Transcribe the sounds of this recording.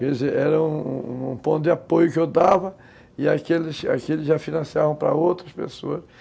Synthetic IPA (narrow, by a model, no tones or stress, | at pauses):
kezeɛɾɐũũũpõt̪d̪ɪapojʊkɪewd̪avɐ | ɪakelɪsa̰kelɪzʒafinɐ̃siavɐ̃w̃pɾɐ̰owt̪ɾɐspḛsoɐs